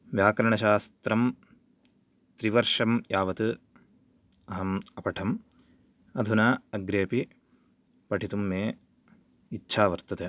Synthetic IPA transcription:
ʋjaːkɾɐɳɐʃaːst̪ɾɐm | t̪ɾiʋɐɾʂɐmjaːʋɐt̪u | ɐɦɐmɐpɐʈʰɐm | ɐd̪ʱunaːɐɡɾeːpi | pɐʈʰit̪umːeː | itːʃʰaːʋɐɾt̪ɐt̪e

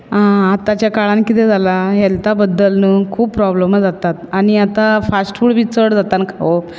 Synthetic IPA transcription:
ãat̪at͡ɕjakaɭãnkit̪̬ed͡zʱalaɦɛlt̪abəd̪ːəlnəkʰuːbpɾɔbləməd͡zat̪at̪aɽ̃iat̪afasʈfuːɽʋit͡səɽd͡zat̪ankʰaʋo

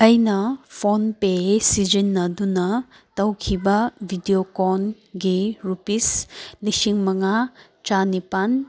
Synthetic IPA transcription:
ɐjnɐpʰonpesid͡ʒinːɐdunɐ | tɐwkʰibɐbʱidiokɔn | ɡiɾupislisiŋmɐŋa | t͡ʃanipan

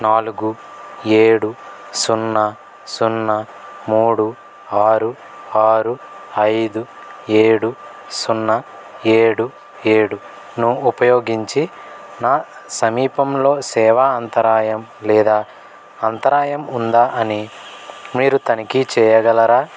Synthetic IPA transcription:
naːluɡu | eːɽusunːɐ | sunːɐ | muːɽu | aːɾu | aːɾu | ɐjd̪u | eːɽu | sunːɐ | eːɽu | eːɽu | nuupɐjo̞ːɡiɲt͡ʃinaːsɐmiːpɐmlo̞ːsɛːʋaːɐnt̪ɐɾaːjɐmlɛːd̪aː | ɐnt̪ɐɾaːjɐmund̪aːʔɐni | miːɾut̪ɐnikit͡ʃɛːjɐɡɐlɐɾaː

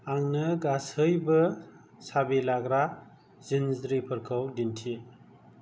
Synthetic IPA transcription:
aŋnɯɡasɯjbɯ | sabilaɡɾa | zinzɾipʰɯɾkʰawdintʰi

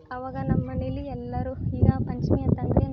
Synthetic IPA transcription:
ɐʋaːɡɐnɐmːɐniliɛlːɐɾuiːɡɐpɐɲt͡ʃmijɐt̪ɐnɡ̪ɐjɐn

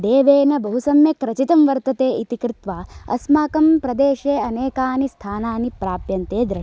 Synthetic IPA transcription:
d̪eːʋeːnɐbɐɦusɐmjɐkɾɐt͡ʃit̪ɐmʋɐɾt̪ɐt̪eːit̪ikɾɪt̪ʋaːɐ̰smaːkɐmpɾɐd̪eːʃeːɐneːkaːnist̪ʰaːnaːnipɾaːpjɐnt̪eːd̪ɾɐ

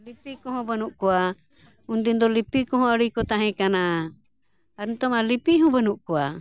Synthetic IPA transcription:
lipikɔɦɔbɛnuʔkua | und̪ind̪ɔlipikɔɦɔ̃aɾikɔt̪aɦɛ̃kana | ɾint̪ɔmalipiɦɔbɛnuʔkua

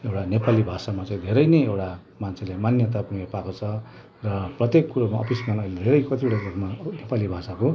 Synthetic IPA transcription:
ewʈanepalibʱasamat͡sãĩd̪ʱeɾʌjneewʈa | mant͡sʰelemanjʌt̪̬apuŋepakot͡sʰʌ | rʌprʌt̪jekːuɾomaʌ̰pʰismanʌiled̪ʱeɾʌjkʌt̪ʰieɽaɾukmanepalibʱasako

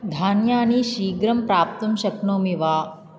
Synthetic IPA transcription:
d̪ʱaːnjaːniːʃiːɡɾɐmpɾaːp̚t̪ɐmʃɐknoːmiʋaː

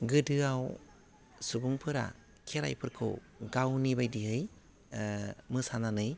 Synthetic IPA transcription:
ɡɯdɯaw | subuŋpʰɯɾa̰ | kʰeɾa̰jpʰɯɾkʰɯ̰w | ɡawnibajdiɦɯj | mɯsananɯj

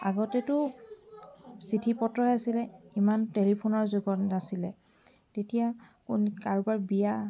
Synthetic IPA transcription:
a̰ɡɔtɛtʊ | sitʰipɔtɹɔjasilɛimantelipʰonɔɹzuɡɔtnasilɛ | tetijakunkaɹubaɹbija

